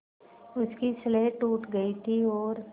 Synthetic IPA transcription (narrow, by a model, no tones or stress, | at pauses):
ʊskisleːʈːuːʈɡɐit̪ʰiɔːɾ